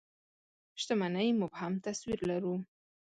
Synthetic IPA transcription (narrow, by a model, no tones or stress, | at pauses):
ʃt̪amanəjmʊbhamt̪aswiɾlaɾu